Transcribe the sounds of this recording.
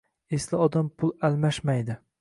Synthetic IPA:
eslɪɒd̪ampʰʊlˠalmaʃmajd̪ɪ

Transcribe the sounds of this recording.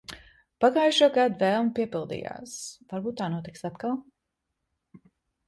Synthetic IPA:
paɡaːjʃuɔɡad̪uvɛːlˠmpiɛpilˠd̪ḭːja̰ːsvaɾbuːt̪̚ːaːnuɔt̪iksat̪kalˠ

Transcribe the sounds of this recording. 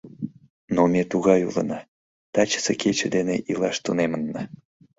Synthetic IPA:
nomʲet̪uɣɑjṵlə̰nɑ | t̪ɑt͡ɕə̥sekʰet͡ɕəd̪enḛʔilˠɑʃt̪unemənːə

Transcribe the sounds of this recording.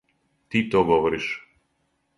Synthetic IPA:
t̪it̪oɡɔʋɔɾiʃ

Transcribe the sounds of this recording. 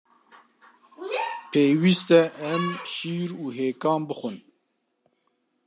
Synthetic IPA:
pʰeːwist̪ɛʔɛmʃiːɾuːɦeːkɑːmbɨxʷɨn

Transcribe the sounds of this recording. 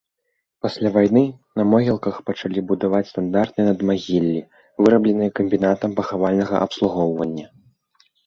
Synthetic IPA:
pasʲlʲavajnɨ | nɐmɔɣʲɛlˠkɐxpɐt͡ʂalʲibud̪avat͡sʲst̪and̪art̪̚nɨjnɐd̪maɣʲilʲːi | vɨɾɐblʲɛnɨjɐkɐmʲbʲinat̪ɐmpɐxavalʲnɐɣɐ̰ʔɐpslˠuɣɔwvɐnʲːɐ

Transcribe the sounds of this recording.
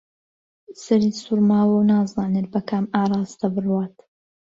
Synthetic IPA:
sɐɾisuɾmaːwɐwnaːzaːnet̪̚bɐkʰaːmaːɾˤɑːzt̪ɐbɨrwaːt̪

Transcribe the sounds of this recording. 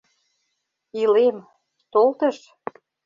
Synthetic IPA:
ilem | t̪olt̪ə̆ʃ

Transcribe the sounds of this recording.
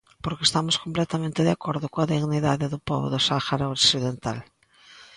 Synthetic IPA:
poɾkest̪amoskomplɛt̪amẽnt̪eðakoɾðʊkoaðiɣniðaðeðʊpɔ̰βo̰ðosaxaɾaoksiðent̪a̰l

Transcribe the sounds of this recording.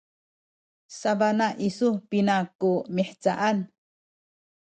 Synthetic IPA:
sabanaʔisupinakumiħt͡saʔan

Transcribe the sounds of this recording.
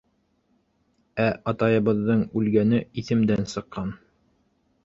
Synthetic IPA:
æʔɑt̪ɑjɤ̆βɤ̆ðːɤɴʉlɡænɘiθɘ̆md̪ænsɤ̆qːɑn

